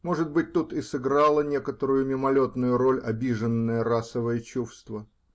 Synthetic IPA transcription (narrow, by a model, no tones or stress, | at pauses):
mo̞ʐɨd̪̚bɨt̚ʲt̪ːut̪ɪsɨɡɾalˠənʲe̞kət̪əɾʊjʊmʲɪmɐlʲo̞t̪nʊjʊɾo̞lʲɐbʲiʐɨnːəjəɾasəvəjət͡ɕufst̪və